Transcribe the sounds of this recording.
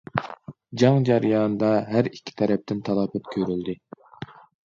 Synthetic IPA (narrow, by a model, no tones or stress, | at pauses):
d͡ʒɑŋd͡ʒɑɾijɑnd̪ɑɦæɾikʲʰːi̥t̪ʰɛɾɛp̚t̪ʰɪnt̪ʰɑlˠɑːpɛt̪kʲʰøɾyld̪ɪ